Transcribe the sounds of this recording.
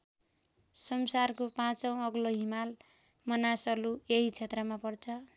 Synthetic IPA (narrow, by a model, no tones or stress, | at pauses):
sʌmsarkopãt͡sʌ̃w̃ʌɡloɦimal | mʌnasʌlueɦit͡sʰet̪rʌmapʌrt͡sʰʌ